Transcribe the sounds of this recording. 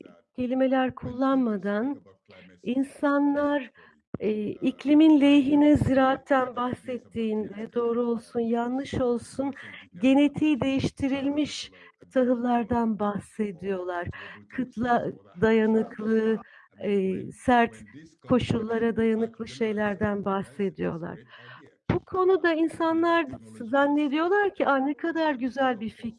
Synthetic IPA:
cʰe̞lʲime̞lʲæɾkʰulˠːanmad̪an | insanlˠaɾ | iclʲiminlʲe̞jɦinɛziɾaːt̪ʰːænbahsɛt̪ʰːiːnd̪ɛd̪o̞ːɾuo̞lˠsunjanːˠɯʃo̞lˠsunɟe̞ne̞t̪ʰiːd̪e̞jiʃt̪ʰiɾilʲmiʃt̪ʰaɦɯlˠːaɾd̪anbahse̞d̪ijo̞lˠaɾ̥kʰɯt̪ʰlˠad̪ajanɯkʰlˠɯː | sæɾt̪kʰo̞ʃulˠːaɾad̪ajanɯklˠɯʃe̞jlʲæɾd̪ænbahse̞d̪ijo̞̰lˠa̰ɾ̥ | b̥ukʰo̞nud̪ainsanlˠaɾzanːe̞d̪ijo̞lˠaɾcʰiʔanekʰad̪aɾɟyzælʲbiɾfic

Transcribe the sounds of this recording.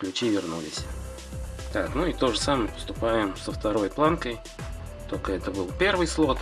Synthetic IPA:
klʲʉt͡ɕivʲɪrnulʲɪsʲ | t̪aknuɪt̪o̞ʐəsaməjpə̥st̪ʊpajɪmsəft̪ɐɾo̞jplˠankəj | t̪o̞lʲkəɛt̪əbɨlˠpʲe̞rvɨjslˠo̞t̪

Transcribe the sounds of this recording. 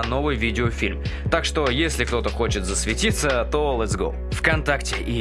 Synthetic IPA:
no̞vɨjvʲidʲɪofʲilʲmt̪akʂt̪o̞jesʲlʲɪk̚t̪o̞t̪əxo̞t͡ɕɪt̪zəsvʲɪtʲit̪sət̪olˠɛt̪zɡo̰lˠfkɐnt̪aktʲɪi

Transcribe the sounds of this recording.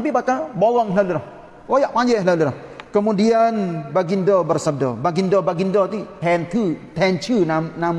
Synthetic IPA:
t̪ap̬ibakabolɔŋɦlalulah | ojaʔpaɲd͡ʒɛhlalulah | kəmudianbaɡindɔbərsəb̚dɔ̰baɡindɔbaɡindɔt̪it̪ɛnt̪ʰut̪ɛnt͡ʃunamnam

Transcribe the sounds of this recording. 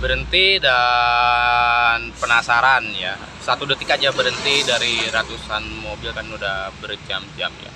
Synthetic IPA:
bəɾənt̪ida | npənasaɾanja̰ | sat̪udət̪ikad͡ʒabəɾənt̪idaɾiɾat̪usanmobɪlkanudahbərd͡ʒamd͡ʒa̰mja̰

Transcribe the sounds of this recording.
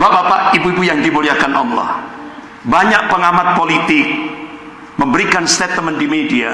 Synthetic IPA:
babapaʔibuibujaŋdimuliahkanʔɔmla̰h | baɲaʔ̚pəŋamat̪̚polit̪ɪk̚ | məmbəɾikanst̪ɛt̪əməndimedia̰

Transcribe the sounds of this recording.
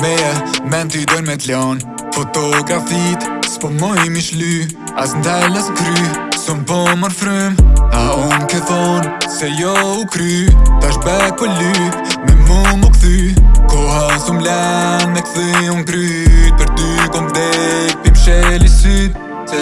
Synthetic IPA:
bɛabɛnt̪yd̪ɔnmɛt̪lɔn | fɔt̪ɔɡɾafit̪spɔmɔjmiʃly | asnt̪aləskɾysɔmpɔmɔɾfɾumaunkɛfɔnsɛjɔukɾyt̪aʃbɛpɔly | mɛmumukθykɔhasumlanmɛkθyunkɾyt̚pəɾt̪ykɔmkd̪ɛpimʃɛlisyt̪ | ɛ

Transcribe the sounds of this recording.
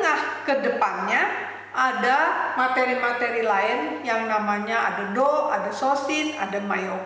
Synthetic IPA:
ŋahkədəpanɲa | ʔadamat̪eɾimat̪eɾilaɪnjaŋnamaɲaadadɔʔadasosɪna̰damajo

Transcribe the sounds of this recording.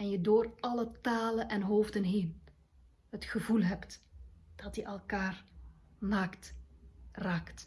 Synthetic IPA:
ɛnjədoːrɑlətaːlənɛnɦoːvdənɦeːn | ɦətxəvulɦɛptd̥ɑtjəʔɛlˠkaːr | naːkt | raːkt

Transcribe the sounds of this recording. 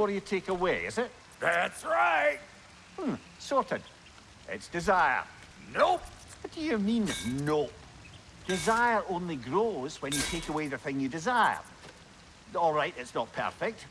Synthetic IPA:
ə˞jɨtʰekəweɪ̰zɪt̚ | ðætsɹaɪt̚ | m̩ | sɔɹʔɪd̥ | ʔɪ̰tsd̥ɪzaɪə̰˞ | nowʌd̥ɨjɨmĩnno | d̥ɪzaɪə˞ʔõnlˠiɡɹoz̥wə̃njɨtʰekəweðɨθɪ̃ŋjɨdɪzaɪɪə̰˞ | ɔlˠɹaɪʔɨtsnət̚pʰɜ̰˞fɪk̚t

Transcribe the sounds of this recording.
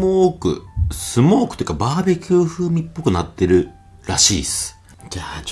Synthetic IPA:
oːkɯ̟̰sɨmo̞ːkɯ̟̥t̪ojɯkabaːbe̞kʲʰɨːɸɯːmʲipːo̞kɯ̟nat̪ːe̞ɾɯ̟ | ɾaɕḭːsɨ̥ | d͡ʒa

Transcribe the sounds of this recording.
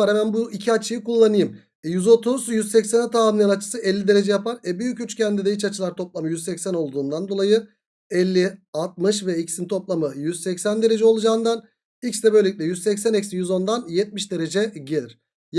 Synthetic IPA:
aɾhɛmænbuicʰiat͡ʃʰɯjikulˠːanɯjɯm | jyzo̞t̪ʰuzjyzsɛcsenɛt̪ʰaːlmˠɯjanat͡ʃʰɯ̥sɯʔɛlʲːid̪e̞ɾe̞d͡ʒɛjapaɾɛbyjycyt͡ʃcʰɛnd̪id̪ɛit͡ʃat͡ʃʰɯlˠaɾt̪ʰo̞plˠamɯjyzsɛcsæno̞lˠd̪uːnd̪and̪o̞lˠajɯ | ɛlʲːialt̪̚mɯʃvɛicsint̪ʰo̞plˠamɯjyz̥sɛcsænd̪e̞ɾe̞d͡ʒɛo̞lˠud͡ʒaːɯnd̪an | icsd̪ɛbøleic̪̚ʲlʲɛjyzsɛcsænɛcʲsijyzo̞nd̪anjɛt̪̚miʃd̪e̞ɾe̞d͡ʒɛɟe̞lʲiɾ̥ | j

